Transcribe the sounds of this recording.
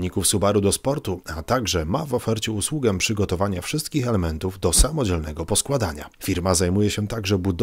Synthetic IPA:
ɲikufsubaɾud̪ɔspɔɾt̪uat̪aɡʐɛmavɔfɛɾt͡ɕɛuswuɡɛpʂɘɡɔt̪ɔvaɲafʂɘst̪̚kʲixɛlɛmɛnt̪uvd̪ɔsamɔd͡ʑɛlnɛɡɔpɔskwad̪aɲa̰fʲiɾmazajmujɛɕɛt̪aɡʐɛbud̪

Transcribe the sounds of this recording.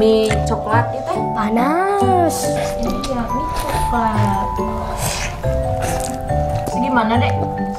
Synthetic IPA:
it͡ʃoklat̪̚kit̪u | panas | ajamit͡ʃoklat̪̚ | idimananeʔ

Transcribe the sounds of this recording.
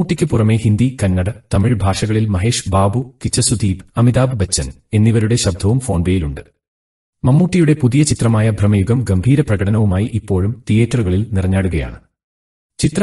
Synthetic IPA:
uːʈːikʲːɨpurɐme̞hind̪ikɐnːɐɽɐt̪ɐmiɻbʱaːʂɐɣɐɭilmɐɦe̞ːʂbaːbukit͡ɕːɐsud̪iːbɐmiðaːbbɐt͡ɕːɐn | e̞nːiʋɐɾuɽe̞ɕɐb̚d̪ʱɐʋumfo̞ːɳbeːjiluɳɖɨ | mɐmːuːʈːijuɽe̞puðijɐt͡ɕit̪rɐmaːjɐbʱrɐmɐjuɡɐmɡɐmbʱiːɾɐprɐɣɐɽɐnɐʋumaːjiʔipːo̞ːɻumt̪ijeːtːruɣɐɭilnirɐɲːaːɽuɣɐja̰ːɳɨ | t͡ɕit̪r

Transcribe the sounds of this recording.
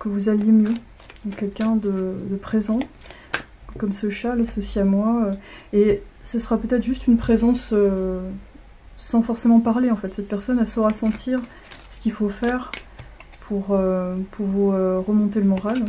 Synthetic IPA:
kəvuzaljemjø̃ | kʲɛlkʲɛ̃d̪əd̪əpχezɑ̃ | kɔmsəʃalasɔsiamwaøesəsəʁapøt̪ɛt̪χʒyst̪ynpχezɑ̃sø | ɑ̃fɔʁsemɑ̃paʁleɑ̃fɛt̪sɛt̪̚pɛʁsɔnɛlsɔʁasɑ̃t̪ʰiʁ | sə̥kʲilfofɛʁ | pʰuʁøpʰuʁvuøʁəmɔ̃t̪eləmɔʁal

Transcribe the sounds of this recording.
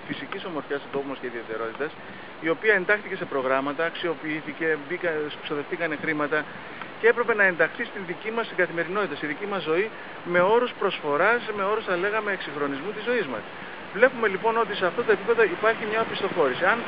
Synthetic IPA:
fisiciso̞mo̞ɾfçɐst̪ot̪o̞pumosceiðie̞t̪e̞ɾo̞t̪it̪ɐs | io̞piɐe̞nd̪ɐxt̪ice̞se̞pɾo̞ɣɾɐmɐt̪ɐːksio̞piiθice̞bikɐsso̞ðe̞ft̪ikɐne̞xɾimɐt̪ɐ | ce̞e̞pɾe̞pe̞nɐe̞nd̪ɐxθist̪inðicimɐst̪iŋɡɐθime̞ɾino̞t̪it̪ɐsiðicimɐzːo̞i | me̞o̞ɾuspɾo̞sfo̞ɾɐsme̞o̞ɾusθɐle̞ɣɐme̞ːksiŋxɾo̞nizmut̪izo̞izmɐ̰s | vle̞pume̞lipo̞no̞t̪̬ise̞ɐft̪o̞t̪o̞ep̬ipe̞ðo̞ipɐɾçimɲɐopist̪o̞xo̞ɾisiɐn

